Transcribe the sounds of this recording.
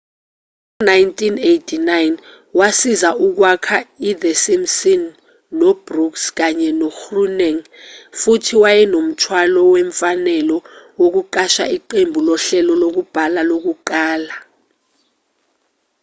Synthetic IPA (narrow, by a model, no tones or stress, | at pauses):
najntʰʼinejtʰinajn | wasizauk̬wakʰaiðəsimsinː | ɔbruksk̬aɲɛnɔxrunɛŋfutʰiwajɛnom̩tʰwalɔwɛɱfanɛlɔwok̬uǃaʃa̰iǃembʱulɔɬɛlɔlok̬ub̥ʱalalok̬uǃaːla